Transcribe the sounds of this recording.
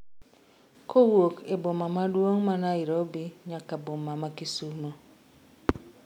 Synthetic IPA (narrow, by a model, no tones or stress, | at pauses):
kowokebomamadwoŋmanaiɾɔbiɲakabomamakisuma